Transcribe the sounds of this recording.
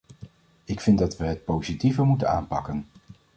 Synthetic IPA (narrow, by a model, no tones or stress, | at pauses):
ɪkfɪndɑtʋəɦət̚powzitivəɹmutəna̰ːnpɑkən